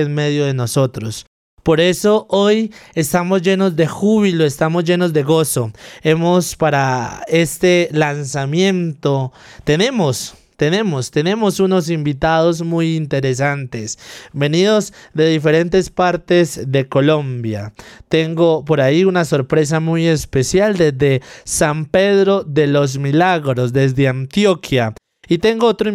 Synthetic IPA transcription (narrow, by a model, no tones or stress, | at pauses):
enme̞ðjo̞ðe̞no̞so̞t̪ɾo̞s | po̞ɾe̞so̞ʔoje̞st̪amo̞zʝe̞no̞zd̪e̞xuβ̞ilo̞est̪amo̞zʝe̞no̞zd̪e̞ɣo̞so̞e̞mo̞spaɾae̞st̪e̞lansamjẽ̞nt̪ot̪e̞ne̞mo̞st̪e̞ne̞mo̞st̪e̞ne̞mo̞suno̞s̬imbit̪aðo̞z̬mujint̪e̞ɾe̞s̬ant̪e̞sbe̞niðo̞zd̪e̞ðife̞ɾe̞nt̪e̞spaɾt̪e̞zðe̞ko̞lõ̞mbja̰t̪e̞ŋɡo̞po̞ɾaiunaso̞ɾpɾe̞s̬amuje̞spe̞sjald̪e̞zd̪e̞sampe̞ðɾo̞ðe̞lo̞z̬milaɣɾo̞sðe̞zðeant̪jo̞kʰja | it̪e̞ŋɡoot̪ɾo